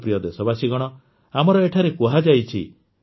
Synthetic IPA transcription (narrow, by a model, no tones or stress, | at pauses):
pɾijɔd̪esɔbasiɡɔɽ̃ɔ | amɔɾɔeʈʰaɾekuɦad͡ʒajt͡ʃʰḭ